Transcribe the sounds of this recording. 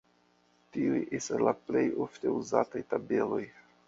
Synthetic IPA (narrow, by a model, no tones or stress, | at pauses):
tiujʔestaslaple̞jo̞fte̞uzatajtabe̞lo̞j